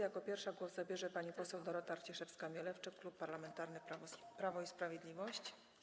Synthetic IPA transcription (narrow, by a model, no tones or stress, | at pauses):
jakɔpʲjɛɾfʂaɡwɔzzabʲjɛʐɛpaɲipɔsɛwd̪ɔɾɔt̪aɾt͡ɕɛʂɛfskamʲjɛlɛft͡ʂɘkklupːaɾlamɛnt̪aɾnɘpɾavɔispɾavʲjɛd̪lʲivɔɕt͡ɕ